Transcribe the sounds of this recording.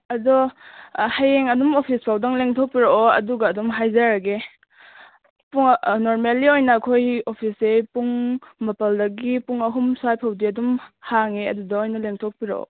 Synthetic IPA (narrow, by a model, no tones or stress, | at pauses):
ɐdɔ | hajeŋɐdumopʰispʰawdɐŋleŋtʰok̚piɾaɔɐ̰duɡaːdumɦajzaɾaɡe | puŋnoɾmelːiojnakʰojopʰisepuŋmɐpɐldɐɡipuŋɐɦumsajpʰawdiɐdumhaŋeɐ̰dudaojnɐleŋtʰok̚piɾaʔɔ̰